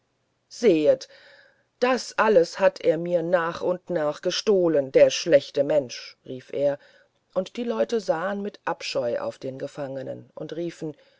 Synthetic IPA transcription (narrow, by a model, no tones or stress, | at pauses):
z̥eːət | d̥asʔaləshatʰʔeːɐmiːɐnaːχʔʊntnaːχɡ̥əʃtoːləndeːɐʃlɛçtəmɛnʃʁiːfʔeːɐ | ʔʊntd̥iːlɔʏtəzaːənmɪtʔapʃɔʏʔa̰ʊfd̥eːnɡəfaŋənə̰nʔʊntʁiːfn̩